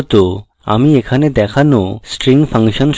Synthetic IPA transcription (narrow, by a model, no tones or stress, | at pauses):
t̪o | a̰miekʰaned̪ɛkʰanosʈɾiŋpʰaŋʃɔnʃ